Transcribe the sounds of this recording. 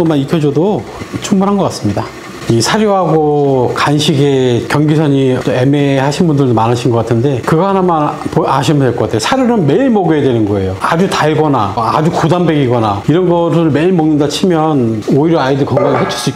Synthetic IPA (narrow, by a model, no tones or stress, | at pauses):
omanitʰjʌd͡ʑʌdo | t͡ɕʰuŋbunɦanɡʌk͈ats͈ɯmɲida | isʰaɾjoɦaɡokanɕʰiɡekʲjʌŋɡisʰʌɲitoemehaɕʰinbundɯɭomanɯɕʰinɡʌk͈atʰɯnde̞kɯɡʌanamanpoaɕʰimʌndweɭk͈okatʰejosʰaɾjoɾɯnme̞iɭmoɡjuedwenɯnɡʌe̞joad͡ʑutaɭɡʌnaad͡ʑukudambeɡiɡʌnaiɾʌnɡʌɾɯɭme̞ɭmʌŋnɯndat͡ɕʰimjʌnoiɾjʌaidɯɭkʌŋɡaŋiɦet͡ɕʰʌ̥s͈uik